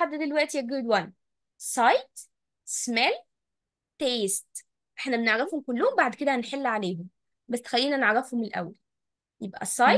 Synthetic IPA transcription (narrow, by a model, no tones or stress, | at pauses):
ad̪ːd̪elwæʔt̪ijæɡod̪wæn | sˤɑjt̪ | smæl | t̪ːeːst̪ | ʔeħnæbeneʕɾɑfhomkolːohombaʕd̪ked̪æhænħelːʕaleːɦom | bæsːe̥xælːiːnæneʕɾɑfhomelʔæ̰wːæl | jebʔæ̰sˤɑ